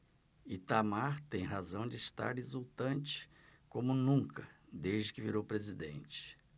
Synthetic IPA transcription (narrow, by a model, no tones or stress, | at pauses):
it̪amaɾt̪ẽj̃ɦazɐ̃w̃d͡ʒɪist̪a̰ɾezuwt̪ɐ̃nt͡ʃɪ̥kõmʊnũkʰɐd̪ezd͡ʒɪkɪviɾowpɾezid̪ḛ̃nt͡ʃɪ̥